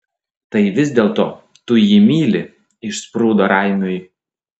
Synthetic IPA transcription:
t̪ɐɪʋʲɪzʲd̪ʲeːlˠt̪oː | t̪ʊjiːmʲiːlʲɪ | ɪʃspɾuːd̪oːɾɐˑɪmʲoːj

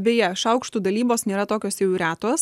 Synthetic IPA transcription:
bʲeːjɛʃɐʊkʃt̪uːd̪ɐlʲiːboːsnʲeːɾɐt̪oːkʲoːsjɛʊɾʲæːt̪oːs

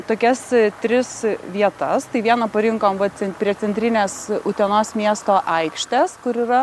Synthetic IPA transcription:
t̪oːkʲɛst̪ʲɾʲɪsʋʲiɛt̪ɐst̪ɐɪʋʲiɛnɐpɐɾʲɪŋkoːmʋɐt͡sʲɛnpʲɾʲiɛsʲɛnʲt̪ʲɾʲɪnʲeːsʊt̪ʲɛnoːsmʲiɛst̪oːʔɐɪkʃʲt̪ʲɛskʊɾiːɾɐ

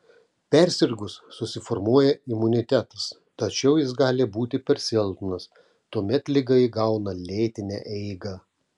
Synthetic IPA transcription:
pʲɛɾʲsʲɪɾɡʊsːʊsʲɪfɔɾmuɔjɛɪmʊnʲɪt̪ʲæt̪ɐs | t̪ɐt͡ʃʲɛʊjɪsɡɑːlʲɪbuːt̪ʲɪpʲɛɾʲsʲɪɛlˠt̪nɐs | t̪uɔmʲɛt̪lʲɪɡɐɪɡɐʊnɐlʲɛːt̪ʲɪnʲɛ̰ʔɛɪɡɐ

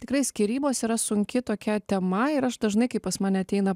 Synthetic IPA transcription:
t̪ʲɪkɾɐɪsʲkʲiːɾʲiːboːsiːɾɐsʊŋʲkʲɪt̪oːkʲɛt̪ʲɛmɐɪɾɐʃd̪ɐʒnɐɪkɐɪppɐsmɑːnʲɛɐt̪ʲɛɪnɐ

